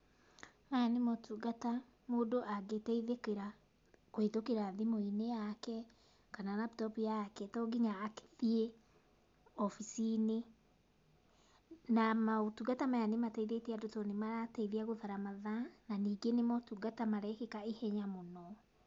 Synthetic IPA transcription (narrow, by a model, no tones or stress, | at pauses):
majanemɔtuɡata | moːdoʔaɡetɛiðekeɾa | koetokeɾaðemoinejakɛ | kananabtɔpujakɛtɔɡiɲaːke̥ðie | ɔfisine | namaotuɡatamajanematɛiðetɛadotɔnemaɾataiðeaɣoðaɾamaðananiːɡenemɔtuɡatamaɾɛkekaehɛɲamonɔ